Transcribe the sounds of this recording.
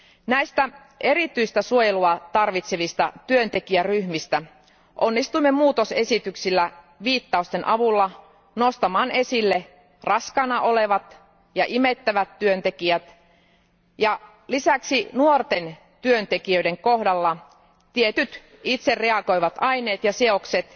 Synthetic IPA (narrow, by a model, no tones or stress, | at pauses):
næjst̪æ | e̞ɾit̪yist̪æsuojeluɑt̪ɑrʋit̪seʋist̪ɑt̪yønt̪e̞kiæryhmist̪æ | ʔonːist̪uimːe̞muːt̪o̞se̞sit̪yksilːæ | ʋiːt̪ːɑust̪enʔɑʋulːɑ | nost̪ɑmɑːne̞silːe | rɑskɑnɑʔoleʋɑt̪ | jɑʔimet̪ːæʋæt̪tyønt̪ekiæt̪ | jɑ | lisæksinuort̪en | t̪yønt̪ekiøide̞ŋkohdɑlːɑ | t̪iet̪yt̪ | it̪serreɑko̞jʋɑt̪ɑjne̞ːt̪jɑseokset̪